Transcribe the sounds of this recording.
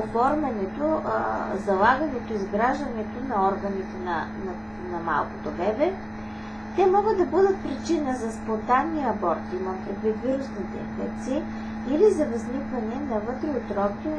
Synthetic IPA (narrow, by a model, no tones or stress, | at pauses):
ofɔɾmɐnɛt̪ozɐlˠaɡɐnɛt̪oizɡɾaʒd̪ɐnɛt̪onɐɔɾɡɐnit̪ɛnɐnɐ | nɐma̰lˠko̥t̪obɛbɛ | t̪ɛmɔɡəd̪ɐbɤd̪ət̪̚pɾit͡ʃinəzɐspont̪anːiɐbɔɾt̪imɐmpɾɛɡ̪vit̪viɾusnit̪ɛ̰kə̰tt̪si | ilizɐvɐznikvɐnɛnɐvɤt̪ɾɛot̪ɾɔkt̪o